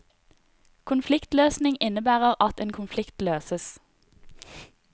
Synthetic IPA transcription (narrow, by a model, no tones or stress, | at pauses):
kʰʊnflɪkt̪løːsnɪŋɪnəbæːʁəʁɑt̪eːnkʰʊnflɪkt̪løːsəs